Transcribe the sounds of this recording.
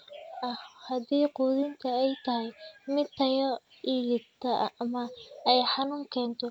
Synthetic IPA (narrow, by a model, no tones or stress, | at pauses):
ʔɐhhɐdiːquːðɪnt̪ʰɐɛjt̪ʰɐɦɛjmɪt̪ʰːɐjɔ | iːlɪt̪ʰɐʔmɐɛjħɑnuːŋkʰɛːnt̪ʰɔ